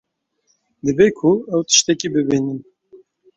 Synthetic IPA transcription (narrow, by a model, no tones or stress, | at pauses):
d̪ɨbekʰʊɛwt̪ɨ̥ʃt̪ɛkibɨbinɨm